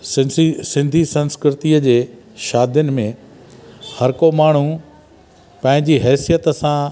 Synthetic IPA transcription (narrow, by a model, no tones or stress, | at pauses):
sisɪ̃nd̪ʱisɐ̃nskɾɪt̪iəd͡ʑeː | ʃaːd̪jʊnɪ̆mẽ | hɐɾkomaːɳ̤u | pɐ̃ɦɪ̃ɲd͡ʑiɦɛːsijət̪əsã